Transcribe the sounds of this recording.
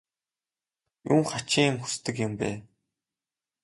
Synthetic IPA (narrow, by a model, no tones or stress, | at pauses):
juŋχat͡ɕiŋ̆mxu̥st̪ɘ̆kjʊ̆mpæ̰ː